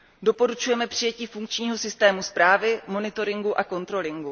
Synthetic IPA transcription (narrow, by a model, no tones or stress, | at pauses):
do̞po̞ɾut͡ʃujɛmɛpr̝̥ɪjɛciːfuŋk̚t͡ʃɲiːɦo̞sɪst̪ɛːmuspɾaːvɪmo̞nɪt̪o̞ɾɪŋɡuʔako̞nt̪ɾo̞lɪŋɡu